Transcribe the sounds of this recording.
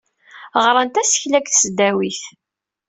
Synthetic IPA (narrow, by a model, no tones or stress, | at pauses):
ʁɾˤənt̪æsə̥çlækθsd̪æwiθ